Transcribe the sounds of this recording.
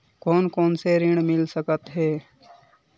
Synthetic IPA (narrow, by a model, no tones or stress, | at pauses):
koːnkoːnseɾɪɽ̃mɪlsəkət̪ɦɛː